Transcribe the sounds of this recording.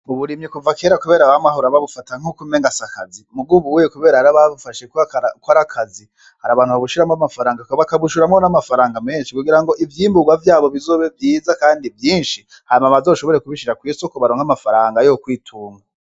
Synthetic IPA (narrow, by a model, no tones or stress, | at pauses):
uβuɾimɲikuvakeːɾakuβe̞ːɾaβamaɦoɾaβaβufataŋ̥ukumeŋɡasakazimuɡuβujekuβe̞ːɾahaɾaβaβufaʃekkwaɾakʰazi | haɾaβaːnhuβaβuʃiɾamŋoamafaɾaːŋɡakβakaβuʃuɾamŋo̞namafaɾaːŋɡame̞ːnʃikuɡiɾaŋɡo̞ʔivjiːmbuɡwavjaːβo̞βizo̞ːβevjiːzakaːndivjiːnʃi | haɾimaβazoʃo̞βo̞ɾekuβiʃiɾakwiːsokoβaɾoːŋɡamafaɾaːŋɡajokwiːtʰuːŋɡa